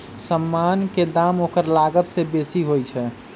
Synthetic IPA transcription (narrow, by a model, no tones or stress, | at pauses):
səmːanked̪amokəɾlaɡət̪sebesiɦojt͡ʃʰɛ